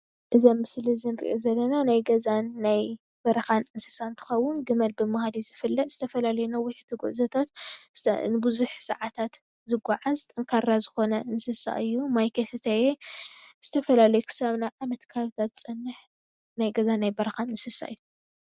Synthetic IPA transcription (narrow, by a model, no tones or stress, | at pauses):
ʔɨzɐmːɨslizɨnɨɾḭʔozɐlːɐnanajɡɐzanːaj | b̥ɐɾɐxanɨnsɨ̥saɨnt̪ʰɨ̥xɐwːʊnɡɨmɐlbɨmhad̪izɨfɨlːɐt̪z̥ɨt̪ʰɐfɐlalɐjunawɔjħt̪ʰɨɡoʔzɐt̪ʰat̪ | nɨbuzuħsɨ̰ʕat̪ʰat̪ | zɨɡaʕazt̪ʼɐŋkʰaɾazɨxo̞nɐʔɨnsɨsa̰ʔɨjːumajkʰet̪t̪ʰajez̥ɨt̪ʰɐfɐlalɐjukʰɨ̥saβnaʕamɐt̪kʰaβɨt̪ʰat̪t͡sʼɐnːɨħ | najɡɐzanːajbɐɾɐxanɨnsɨsa̰ʔɨjːu